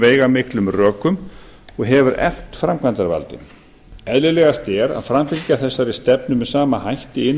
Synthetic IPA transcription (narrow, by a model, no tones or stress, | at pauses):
veːjɣamɪklʏmrœːkʏm | ɔɣɦɛvʏɾɛ̰l̥t̪fɾamkʰvant̪aɾva̰lt̪ɪ̰ | ɛðlɪlɛɣast̪ɛɾa̰ðfɾamfɪlcaθɛsːaɾɪst̪ɛpnʏmɛðsaːmahajht̪ɪɪnː